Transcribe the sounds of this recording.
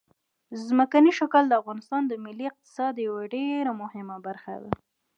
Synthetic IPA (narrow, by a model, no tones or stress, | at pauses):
zməkaniʃʊkəld̪əafɣɑnɪst̪ɑnd̪əmɪlːiɪq̚t̪ɪ̥sɑd̪jawaɖeɾamʊhɪmabaɾxa̰d̪a̰